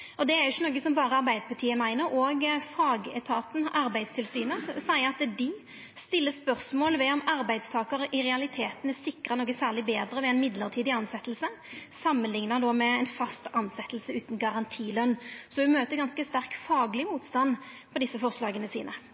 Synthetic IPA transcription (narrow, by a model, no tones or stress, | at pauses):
ʔɔd̪ɛæɾjɪçːənoːɡəsɔmbɑːʁəɑʁbæɪd̪əpʰɑt̪ʰiːəmæɪnəɾʔɔɡfɑːɡɛt̪ʰɑːt̪n̩ɑɾbæɪst̪ʰɪlsyːnəsæɪəɑt̪d̪ɪ | st̪ɪlːəspœɾsmoːlʋɛɔmɑɾbæɪd̪st̪ʰɑːkəɾəʔɪɾɛɑlɪt̪ʰeːt̪n̩æsɪkːʁɑnoːɡəsæːʁlɪbeːd̪ɾəʋɛɛnmɪd̪ləʁt̪ʰiːd̪ɪɑnsɛt̪ːlsəsɑmːənlɪŋnɑd̪ɔmɛɛnfɑst̪ɑnsɛt̪ːlsəʉːt̪nɡɑʁɑnt̪ʰiːlœnːsɔd̪ʉmøːt̪əɾɡɑnskəst̪æʁkfɑːɡlɪmuːt̪st̪ɑn | pʰɔd̪ɪsːəfɔʁslɑːɡənəsḭːnə